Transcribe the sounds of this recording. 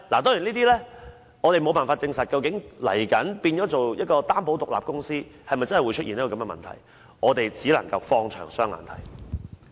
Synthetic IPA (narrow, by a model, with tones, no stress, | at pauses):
laː˨˩t̪ɔː˥jy˨˩niː˥t̪iː˥lɛː˥ | ŋɔː˨˧t̪e˨jmo˨˧wpaː˨nfaː˧t̚t͡sɪ˧ŋsɐ˨t̚kɐ˧wkɪ˨˥ŋlɐ̰˨˩jkɐ˨˥npiː˧njɔː˨˥t͡so˨wjɐ˥t̚kɔː˧t̪aː˥npo˨˥wt̪ʊ˨k̚la̰ː˨p̚kʊ˥ŋsiː˥hɐ˨jmɐ˨jt͡sɐ˥nhɐ˨jwu˨˧jt͡ʃʰɵ˥t̚iː˨niː˥kɔː˨˧ɐ˨˧mɛ˧mɐ̰˨nt̪ʰɐ̰˨˩j | ʔɔː˨˧t̪e˨jt͡siː˨˥lɐ̰˨˩ŋkɐ˧wfɔː˧ŋt͡ʃʰœ̰ː˨˩ŋsœː˥ŋla̰ː˨nt̪ʰɐ̰˨˩j